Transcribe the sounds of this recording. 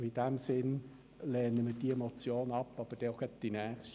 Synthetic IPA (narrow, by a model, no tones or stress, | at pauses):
ɪd̥æmsɪn | lɛːnəmid̥iemot͡sjoːnɑpːɑb̥əd̥ɛoɡ̥ɑtd̥inæːχʃt